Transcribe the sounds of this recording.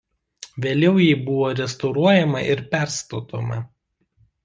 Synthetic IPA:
ʋʲeːlʲɛʊjiːbʊʋoːɾʲɛst̪ɔʊɾuɔjɛmɐʔɪɾpʲæˑɾst̪oːt̪oːmɐ

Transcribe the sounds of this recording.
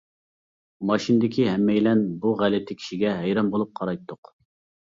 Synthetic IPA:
mɑʃind̪ɪkʲiɦɛmːɛjlɛnbuʁælɪt̪ʰɪkʲʰi̥ʃiɡʲɛɦɛjɾɑmbolˠup̚qʰɑɾɑjt̪ʰːʊq

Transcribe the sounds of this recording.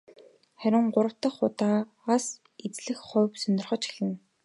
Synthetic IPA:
χæɾʲɪ̆ɴɢʊɾə̆w̥t̪ə̆χːʊt̪aː | as | et͡sɮɘ̆xχʊːpsœnʲɪ̆rχɞ̆t͡ɕxi̥ɮɘ̆n

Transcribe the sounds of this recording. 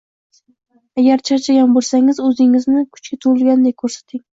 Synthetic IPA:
aɡʲaɾt͡ʃʰaɾt͡ʃʰaɡʲanbolˠsaŋɪzɵzɪŋɪznɪkʰʊ̥t͡ʃkʲat̪ʰʊɪlɡʲand̪ekʰɵɾsḁt̪ʰɪŋ

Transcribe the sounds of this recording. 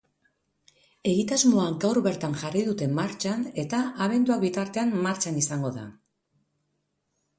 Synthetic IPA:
e̞ɣit̪azmo̞aɡawɾβe̞ɾt̪aŋʝariðut̪e̞maɾt͡ʃane̞t̪aaβ̞e̞nd̪uak̚bit̪aɾt̪e̞anmaɾt͡ʃanisaŋɡo̞ða̰

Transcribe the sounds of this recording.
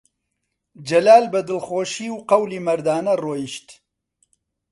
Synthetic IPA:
d͡ʒɐlaːlbɐd̪ɨlxoːʃiːwqɐwliːmɐɾd̪aːnɐroːjiʃt̪

